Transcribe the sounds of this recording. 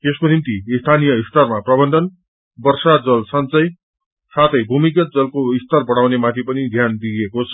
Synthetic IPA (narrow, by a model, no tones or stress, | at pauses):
t̪eskonimt̪iːst̪ʰanijʌist̪ʌrmaprʌbʌnd̪ʱʌn | bʌrsad͡zʌlsʌnt͡sʌj | sat̪ʰʌjbʱumik̬ʌt̪̚d͡zʌlkoist̪ʌrbʌɽ̃awnemat̪ʰipʌnid̪ʱjand̪iekot͡sʰʌ̥